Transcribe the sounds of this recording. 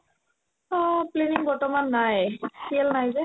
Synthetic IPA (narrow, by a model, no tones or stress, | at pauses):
ɔpleniŋbɔɹtɔmanːajsiɛlnajzɛ